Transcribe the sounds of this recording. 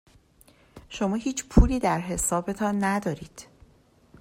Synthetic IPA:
ʃo̞mɒːhiːt͡ʃʰpʰuːliːd̪æɾɦe̞sɒːbe̞t̪ʰɒːnːæd̪ɒːɾiːd̪̥

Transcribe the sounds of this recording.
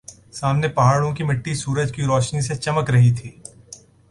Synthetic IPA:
saːmnepɐɦaːɽõkimɪʈːisuːɾəd͡ʒkiɾɔːʃniset͡ʃɐməkɾɐɦit̪ʰiː

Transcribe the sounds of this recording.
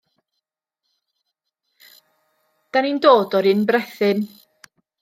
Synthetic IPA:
d̥anindoːdɔɾinbrɛθɪn

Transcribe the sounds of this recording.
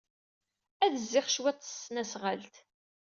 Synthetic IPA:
æðəzːɪχʃwæt͡sˤːə̥sːnæsʁalt̪

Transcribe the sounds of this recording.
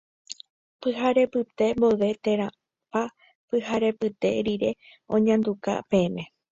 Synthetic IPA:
pɨɦaɾe̞pɨt̪e̞mboʋe̞t̪ẽ̞ɾã | pa | pɨhaɾe̞pɨt̪e̞ɾiɾe̞ | õ̞̰ɲãnd̪uka̰pe̞ẽmẽ̞

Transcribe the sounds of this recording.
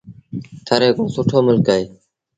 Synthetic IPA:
t̪ʰəɾeːkõːsʊʈʰoːmʊlkaːeː

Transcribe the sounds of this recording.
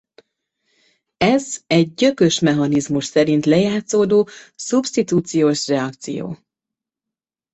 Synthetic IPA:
ɛzɛɟ̚ːø̞kø̞ʃmɛɦɒnizmuʃsɛɾint̪lɛjaːt̪soːd̪oːsubsʃt̪it̪uːt̪sijoːʃrɛɒk̚t̪sḭjo̰ː

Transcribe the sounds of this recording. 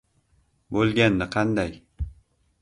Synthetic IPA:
bolˠɡʲanːɪqʰɑnd̪aj

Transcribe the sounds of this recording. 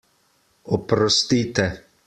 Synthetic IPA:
ɔpɾɔst̪iːt̪ɛ

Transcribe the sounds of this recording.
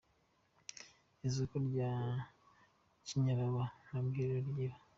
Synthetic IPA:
izukoɾɟaː | ciɲaɾaβanabɡiːɾeɾɟiɾa

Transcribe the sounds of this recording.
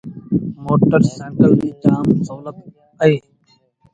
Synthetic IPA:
moːʈəɾsẽːŋkəld̪iːt̪amsoːlət̪̚ | əeː

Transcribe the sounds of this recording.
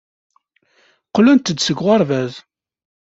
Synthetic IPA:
qlænt̪əd̪səɡʁɑɾˤvæz

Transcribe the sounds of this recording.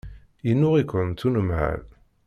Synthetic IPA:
inːʊʁikʷənt̪ːunəmʕa̰l

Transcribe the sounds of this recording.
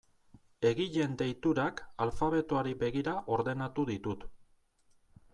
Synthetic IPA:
e̞ɣiʎe̞nd̪e̞jt̪uɾakalfaβ̞e̞t̪oaɾibe̞ɣiɾaʔo̞ɾðe̞nat̪uðit̪ut̪

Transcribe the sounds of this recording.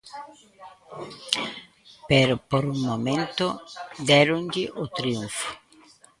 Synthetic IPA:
pɛɾopoɾuŋmomẽnt̪ʊd̪ɛɾʊɲʎɪʔot̪ɾiuɱfʊ̥

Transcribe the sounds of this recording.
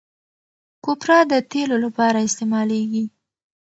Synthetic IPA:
kopɾɑd̪ət̪elolapɑɾaɪst̪emɑleɡi

